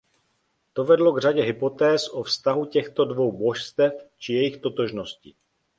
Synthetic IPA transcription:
t̪o̞vɛdlo̞ɡr̝aɟɛɦɪpo̞t̪ɛːsʔofst̪aɦucɛxt̪o̞dvo̞wbo̞ʃst̪ɛft͡ʃɪjɛjɪxt̪o̞t̪o̞ʒnosci

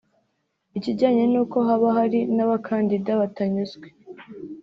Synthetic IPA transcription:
iciɟaːɲenuːko̞ɦaβaɦaɾinaβakʰaːndidaβataɲuzɡwe

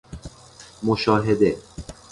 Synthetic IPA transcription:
moʃɔːɦed̪e

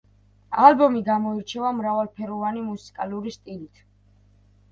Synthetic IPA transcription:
albɔmiɡamɔiɾt͡ʃʰɛvamɾavalˠpʰɛɾɔvanimusi̥kʼaluɾist̪ʼilit̪ʰ

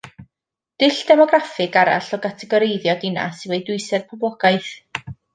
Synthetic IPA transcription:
d̥ɪɬd̥ɛmɔɡrafɨɡaɾa̰ɬɔɡatʰɛɡɔɾejðjɔdɪna̰sɪvejdʊɨsɛrpʰʊblˠɔɡ̥aɨθ

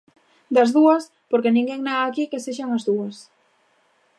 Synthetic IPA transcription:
d̪ɐzðuɐs | poɾkenĩŋɡeŋnaɣaːkikeseʃaŋɐzðuɐs

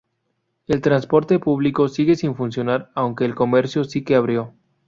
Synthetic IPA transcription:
e̞lt̪ɾanspo̞ɾt̪e̞puβ̞liko̞siɣe̞siɱfunsjo̞naɾawŋke̞ːlko̞me̞ɾsjo̞sike̞aβ̞ɾjo̞

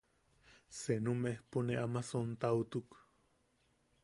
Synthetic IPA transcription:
senumeehpuneamasont̪aut̪uk

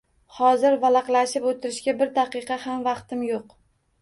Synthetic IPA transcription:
hɒzɪɾvalɑqlˠaʃɪpot̪ʰɪɾɪʃɡʲabɪɾd̪aqɨqɑhamvɑqt̪ɪmjoq

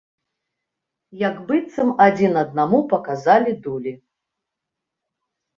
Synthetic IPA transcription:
jaɡbɨt̪sɐmad͡zʲinɐd̪̚namupɐkazalʲid̪ulʲi

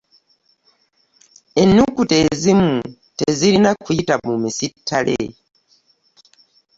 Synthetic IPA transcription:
e̞nːukute̞zimu | tezilinakuitamumisitʰːalʔḛ

